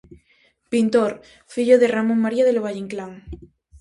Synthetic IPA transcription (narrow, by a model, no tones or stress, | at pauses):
pint̪oɾ | fiʎoðeramõŋmaɾiaðeloβ̞aʝeŋklaŋ